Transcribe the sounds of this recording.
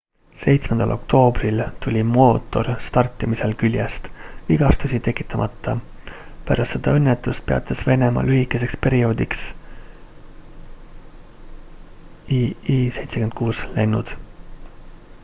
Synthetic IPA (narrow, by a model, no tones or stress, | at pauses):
se̞jt̪smend̪̥ɑ̰lʔo̞̰k̚t̪ʰo̞ːbrilt̪ulʲimo̞ːt̪ːˑo̞rst̪ɑrt̪ːˑimise̞lkylʲjest̪viɡ̥ɑst̪usʲit̪e̞kːˑi̥t̪ːˑɑmʔɑt̪ˑːɑ | pæɾɑst̪se̞d̪̥ɑ̰ɤ̞nːet̪ːˑust̪̚pe̞ɑ̰t̪ʰːˑesve̞ne̞mɑ̰lʔyɦikːˑe̞s̬e̞kspe̞ɾio̞ːd̪̥iks | se̞jt̪sekend̪̥̚kuːsle̞nːud̪̥